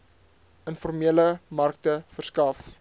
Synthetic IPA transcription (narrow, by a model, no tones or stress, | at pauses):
ənfɔrmiələmɐrk̚təfərskɐf